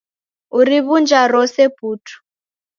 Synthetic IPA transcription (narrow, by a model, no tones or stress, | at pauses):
uɾiβund͡ʒaɾɔsepuːtʰu̥